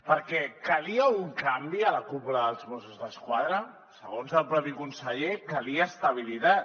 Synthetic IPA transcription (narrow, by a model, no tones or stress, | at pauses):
pəɾkɛkəliəuŋkambiələkupləːlˠzβosuzðəskwaðɾə | səɣonzəlˠpɾɔpikunsəʎekəliəːst̪əβilit̪a